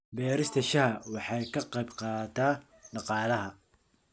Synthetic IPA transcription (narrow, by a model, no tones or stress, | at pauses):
bɛːɾɪst̪ʰɐʃɐɦɐwɑħɑjkʰɐqɑjbqɑːt̪ʰaː | ɖɑqɑːlɐɦɐ